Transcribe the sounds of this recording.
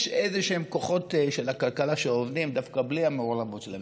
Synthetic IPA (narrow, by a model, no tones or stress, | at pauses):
ʃezeʃeemkoχo̞tʃelakalkalaʃeovd̪imd̪afkabliameolamot̪t͡ʃelae